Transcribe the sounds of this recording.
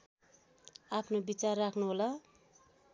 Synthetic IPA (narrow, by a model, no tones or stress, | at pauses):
apʰnobit͡sarːakʰnuɦola